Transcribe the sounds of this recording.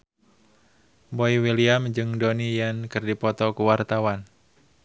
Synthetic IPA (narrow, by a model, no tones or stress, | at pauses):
boiwiliamd͡ʒɨŋdonijankɨrdipɔt̪ɔkuwart̪awan